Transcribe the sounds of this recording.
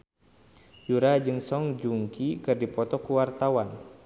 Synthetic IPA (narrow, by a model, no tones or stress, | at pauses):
juɾad͡ʒɨŋsɔŋd͡ʒuŋkikɨrdipɔt̪ɔkuwart̪awan